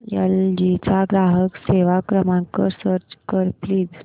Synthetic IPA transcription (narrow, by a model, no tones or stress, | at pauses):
jə̰ld͡ʑit͡saɡɾaɦəkseʋakɾəmãŋkəɾsəɾt͡ɕkəɾpliːd͡z